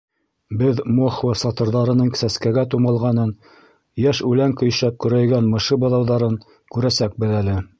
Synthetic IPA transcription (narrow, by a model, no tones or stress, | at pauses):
bɘðmoχvɤsɑt̪ɤ̆ɾðɑɾɤ̆nɤɴsæskæɡæt̪umɑlˠʁɑnɤn | jæʃʉlæŋkɵ̆j̆ʃæp̚kɵ̆ɾæjɡænmɤ̆ʃɤbɤ̆ðɑwðɑɾɤn | kʉɾæsæk̚bɘðælɘ